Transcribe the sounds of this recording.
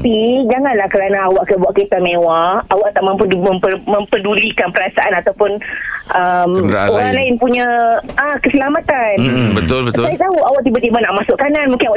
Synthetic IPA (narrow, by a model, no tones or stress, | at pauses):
pid͡ʒaŋanlahkəɾanãːwaʔkəbuaʔket̪amẽwaawaʔt̪aʔmə̃mməpəmə̃mpədulikanpəɾasaʔanat̪awpʊnʔəmoɾaŋlaɪnpuɲãakəsəlamãt̪anbət̪ʊləsət̪aiʔt̪auawaʔt̪ibət̪imanaʔmasʊʔkananmũŋkɪnawaʔ